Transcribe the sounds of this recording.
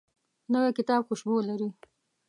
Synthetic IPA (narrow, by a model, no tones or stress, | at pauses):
nəwekɪt̪ɑbxʊʃbolaɾi